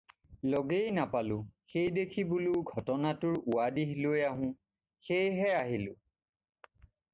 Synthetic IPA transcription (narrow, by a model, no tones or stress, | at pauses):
loɡejnapalʊxejdekʰibʊlʊɡʱɔtɔnatʊɹʊwadiɦlojaɦʊ̃ | xejɦɛaɦilʊ